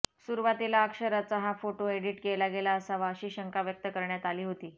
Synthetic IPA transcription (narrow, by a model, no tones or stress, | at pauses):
suɾuʋat̪ilaəkʂəɾat͡saɦafoʈoeɽiːʈkelaɡelaəsaʋaəɕiːɕəŋkaʋjək̚t̪əkəɾɳjat̪aliːɦot̪iː